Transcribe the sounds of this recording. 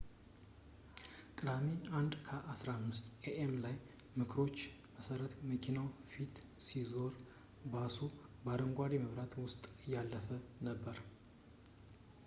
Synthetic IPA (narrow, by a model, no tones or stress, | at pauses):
kʼɨd̪ameand̪kʰəʔasɾahmːɨst̪eʔemlaj | mɨkʰɾo̞t͡ʃː | məsəɾət̪məkʰinawfit̪sizo̞ɾ | basubaɾəŋɡʷad̪iməβɾat̪wʊst̪ʼɨjːalːəfənəbːəɾ